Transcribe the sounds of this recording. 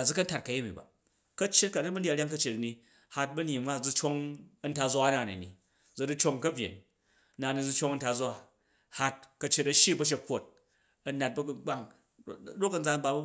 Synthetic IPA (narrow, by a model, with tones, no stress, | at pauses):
a˨d͡zu˦kɐ˦n˦ta˨t̚kɐ˨je˦mḭ˨ba̰˨ | kɐ˦t͡ʃːe˦t̚ka˨nɐ˦bɐ˦n˦dʲɾʲja˦ŋkɐ˦t͡ʃe˨tɐ˨ni˧ | ha˧t̚bɐ˦n˦i˨ma˦˨d͡zu˧t͡ʃo˦ŋɐ˦nta˧d͡za˦na˨nḭ˨nḭ˨ | d͡zɐ˨du˦t͡ʃo˦ŋkɐ˦bʲjḛ˨n | na˨ni˨d͡zu˧t͡ʃo˦ŋɐ˧nta˧d͡zʷa˦˨ | ha˧t̚kɐ˧t͡ʃːe˧tɐ˧ʃji˦bɐ˦ʃ̬e˧˦kʷːo˦t̚ | ɐ˨na˨t̚bɐ˦ɡu˨ɡ͡ba˦ŋ | ɾo˦kɐ˨nd͡za˧n˦ba˧˦